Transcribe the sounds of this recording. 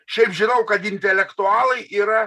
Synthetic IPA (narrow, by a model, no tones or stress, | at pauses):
ʃʲɛɪpʒʲɪnɐʊkɐt̪ɪnʲt̪ʲɛlʲɛkt̪ʊɑːlˠɐɪʔiːɾɐ